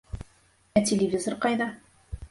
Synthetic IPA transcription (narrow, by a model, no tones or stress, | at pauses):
æt̪ʲɪlʲɪvʲizorqɑjðɑ